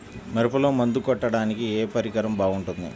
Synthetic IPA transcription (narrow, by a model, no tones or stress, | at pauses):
mɐɾipɐloːmɐnd̪ukɔʈːɐɽaːnikieːpɐɾikɐɾɐmbaːɡuɳʈund̪ḭ